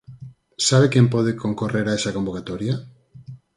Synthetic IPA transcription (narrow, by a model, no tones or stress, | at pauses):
saβekẽmpɔð̞ekʰoŋkoreɾaesɐkombokat̪oɾja